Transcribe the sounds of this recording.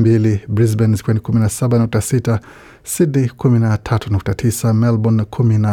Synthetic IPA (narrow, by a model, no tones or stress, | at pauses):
mbilibɾizbɛnzikwɛnikuminasaɓanuk̚tasita | sidikuminatʰatunuk̚tatʰisamɛlbɔnkʰumina